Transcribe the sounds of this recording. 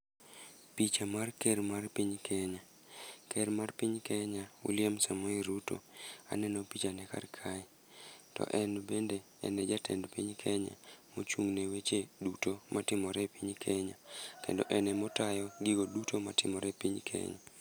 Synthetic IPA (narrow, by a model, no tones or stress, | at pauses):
pit͡ʃamarkɛɾmarpiɲkʰɛɲa | kʰɛɾmarpiɲkɛɲaṵlɪɛmsamɔiɾuto̰a̰nɛnopit͡ʃanɛka̰rkʰaɪ | tɔ̰ʔɛnbende | ɛ̰nɛd͡ʒatʰɛ̰ndpiɲkʰɛɲa̰mot͡ʃuŋnɛwet͡ʃedutomatɪmɔɾɛpiɲkʰɛɲakḛndɔ̰ʔɛnɛmɔtajɔɡɪɡodutʰomatɪmɔɾɛpiɲkʰɛ̰ɲa̰